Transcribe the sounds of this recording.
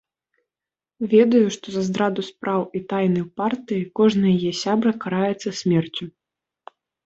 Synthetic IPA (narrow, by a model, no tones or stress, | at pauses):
vʲɛd̪ɐjuʂt̪ɔzɐzd̪ɾad̪uspɾawit̪ajnɐjpart̪ɨjikɔʐnɐjɐjɛsʲabɾɐkaɾajɛt̪sːɐsʲmʲɛrt͡sʲu